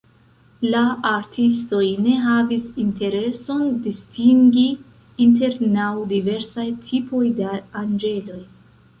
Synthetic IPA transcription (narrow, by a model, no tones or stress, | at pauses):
laaɾtʰis̬to̞jne̞ɦavisinte̞ɾe̞so̞ndistiŋɡi | inte̞ɾnawdive̞ɾsajtʰipʰo̞jdaand͡ʒe̞lo̞j